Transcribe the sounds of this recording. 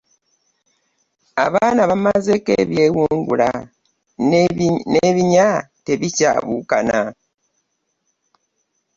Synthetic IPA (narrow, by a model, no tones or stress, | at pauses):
aβaːnaβamazekḛβje̞wuŋɡula | neβiɲateβica̰βukana